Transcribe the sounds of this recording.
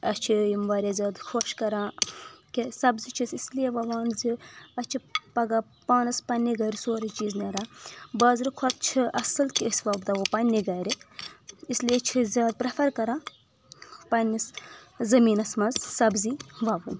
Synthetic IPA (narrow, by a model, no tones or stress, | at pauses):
ɐt͡ʃʰijimʋaːɾʲazʲaːd̪kʰoʃkɐɾãːkesɐbzit͡ʃʰisislijeʋɐʋaːnziɐt͡ʃʰipɐɡaː | paːnɐspɐnʲːiɡɐːɾʲisoːɾɐt͡ʃiːzneɾaːbɐːzɾɨkʰot̪̚t͡ʃʰiʔɐsɨlkisʋɐbd̪ɐʋopɐnʲːiɡɐːɾʲi | isliet͡ʃʰizʲjaːd̪̚pɾɐfʰɐɾkɐɾãː | pɐnʲːiszɐmiːnɐsmɐnzsɐbziʋɐʋɨn